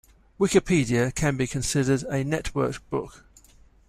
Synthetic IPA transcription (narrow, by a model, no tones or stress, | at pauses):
wɪkɪpʰiːdiəkʰə̃nbikʰə̃nsɪdədənɛʔwɜˑkb̥ʊk